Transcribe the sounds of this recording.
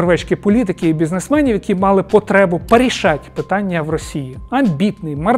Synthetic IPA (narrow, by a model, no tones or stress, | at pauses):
rʋɛt͡ʃʲkʲɪpɔlʲit̪̬ɪkʲɪːbʲiznesmɛnʲiwjɐkʲimɑlˠɪpɔt̪ɾɛbʊpeɾʲiʃɑtʲpɪt̪ɑnʲːɐwrɔsʲijiɐmbʲit̪nɪjmɐr